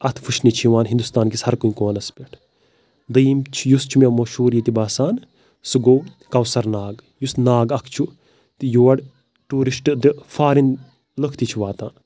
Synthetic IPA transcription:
ɐt̪ʰfʰuʃnit͡ʃʰiʋaːnɦind̪ust̪aːnkishɐɾkuikoːnɐspʲeʈʰ | d̪ɨimt͡ʃʰjust͡ʃʰumemɐʃuːɾjit̪ibaːsaːn | sɨɡoː | kɐwsɐɾnaːɡ | jusnaːɡɐkʰt͡ʃʰu | t̪ijoːɐɽ | ʈuːɾisʈɨd̪ɨfaːɾin | ləkʰt̪it͡ʃʰuʋaːt̪aːn

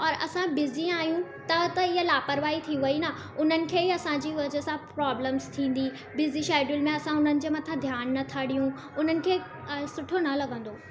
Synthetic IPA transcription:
ɔːɾɐsãbɪziaːɦjũt̪ɐt̪ɐɪɦəlaːpəɾʋaːit̪ʰiʋɐina | ʊn̤ənɪ̆kʰeːiɐsãd͡ʑiːʋɐd͡ʑə̆sãpɾaːbləmzt̪ʰĩːn̆d̪i | bɪziʃaːɪɖjʊlmẽɐsãʊn̤ənɪ̆d͡ʑeːmɐt̪ʰad̪ʱjaːnːɐt̪ʰaːɽijũ | ʊn̤ənɪ̆kʰeː | sʊʈʰonɐlɐɠə̃nd̪oː

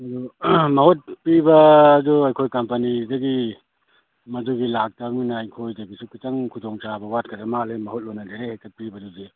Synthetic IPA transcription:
ɐdumɐhot̚pibɐːduɐjkʰojkɐmpɐnidɐɡi | mɐduɡilak̚tɐminɐːjkʰojdɐɡisukit͡ʃɐŋkʰudɔŋt͡ʃabɐwat̚kʰɐɾɐmalemɐhot̚lojnɐdeɾehekɐt̚pibɐduzi

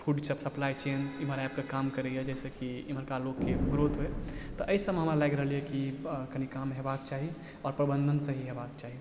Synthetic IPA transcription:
pʰuɖt͡ʃʰəpsəplajt͡ʃeniməɾab̚kekamkəɾɛjəd͡ʒɛsəkiiməɾkalokːebɾod̪ʱɦoet̪ɔʔəisəbmɦəmɾalaɡɾəɦəlijekikənikamɦebakt͡ʃaɦi | ɔɾpɾəbə̃nd̪ʱənsə̃ɦiɦebakt͡ʃaɦi

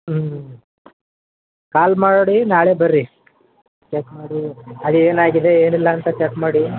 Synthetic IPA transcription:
kaːlmaːɽoɽinaːɭebɐɾːi | t͡ʃekmaːɽiɐlieːnaːɡid̪e̞eːnilːɐːnt̪ɐt͡ʃekmaːɽi

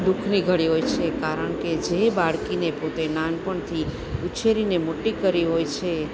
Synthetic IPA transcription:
ɖukʰniɡʱəɽiɦojt͡ʃʰekaɾəɳked͡ʒebaɽkinepot̪enanpəɳt̪ʰi | ut͡ʃʰeɾinemoʈːikəɾiɦojt͡ʃʰe

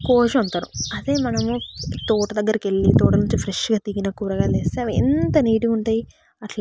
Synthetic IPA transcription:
koːʃɐɐnt̪aːɾṵɐd̪eːmɐnɐmut̪uːʈɐd̪ɐɡːɐɾikeɭːit̪uːʈɐnuɲt͡ʃipʰɾeʂɡaːt̪iɡinaːkuːɾɐɡaːleːseːʋḭnt̪ɐniːʈiuɳʈaːji | ɐʈl

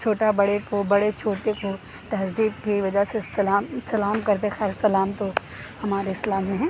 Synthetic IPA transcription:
t͡ʃʰoːʈabɐɽekobɐɽet͡ʃʰoːʈeko | t̪ɐɦzd̪iːbkiʋɐd͡ʒasesɐlaːmsɐlaːmkɐɾt̪̬exaːɾssɐlaːmt̪o | hɐmaːɾeɪslaːmːẽɦɛ̃ː

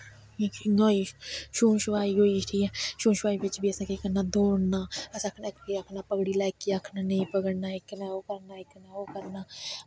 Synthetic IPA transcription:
iknoːiʃuːnʃʊʋaːiɦoːiːʈʰiːɛʃũːnʃʋaːiːbɪt͡ʃbiːəsãːkekəɾnaːd̪oːnnaːəsãːkʰnakiakʰnaːpəɡɽiːlɛːkːiakʰnaːnẽipəɡənaːɪkːnãːoːkəɾnaːɪkːnãːoːkəɾnaː

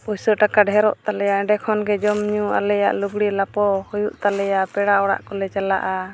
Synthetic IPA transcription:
pusəʈakaɖɦɛɾɔ̰ʔt̪alɛjaʔɖɛkʰɔnɡɛd͡ʒɔmɲua̰lɛja̰ʔluɡɽilapɔhɔjuʔt̪alɛjapɛɽaɔɽa̰ʔkɔlɛt͡ʃala̰ʔa

